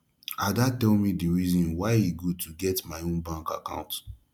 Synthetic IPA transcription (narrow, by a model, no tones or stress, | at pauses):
adatɛlmidiɹizɔ̃nwaɪiɡotʰuɡɛtmaɪõnbãŋka̰kã̰ʊ̃nt